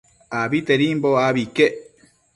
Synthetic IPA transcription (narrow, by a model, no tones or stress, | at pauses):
abit̪eɾimboaβike